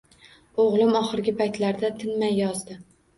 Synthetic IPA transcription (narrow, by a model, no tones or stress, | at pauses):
oʁlˠɪmɒχɨɾɡʲɪpʰajt̪laɾd̪at̪ʰɪnmajːɒzd̪ɪ